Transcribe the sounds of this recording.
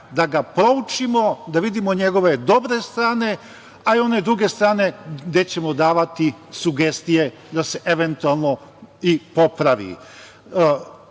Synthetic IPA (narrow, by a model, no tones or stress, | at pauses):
d̪aɡapɾo̞ut͡ʃimo̞d̪aʋid̪imo̞ɲe̞ɡo̞ʋe̞d̪o̞bɾe̞st̪ɾaːne̞ | aio̞ned̪ɾuɡe̞st̪ɾaːne̞d̪et͡ɕe̞mo̞d̪aːʋat̪isuɡe̞st̪ije̞ | d̪ase̞ʔeʋe̞nt̪ualˠno̞ipo̞pɾaʋḭ